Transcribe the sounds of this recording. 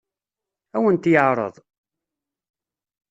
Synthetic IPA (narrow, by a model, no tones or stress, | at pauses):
æwənt̪jəʕɾˤə̰ðˤ